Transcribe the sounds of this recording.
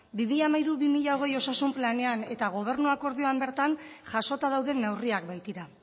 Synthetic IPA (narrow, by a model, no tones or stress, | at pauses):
bimiʎamajɾuβimiʎao̞ɣ̞e̞jo̞sasumplane̞ane̞t̪aɣ̞o̞β̞e̞ɾnuako̞ɾðio̞ambe̞ɾt̪anʝaso̞t̪aðawðe̞nːewriak̚bajt̪iɾa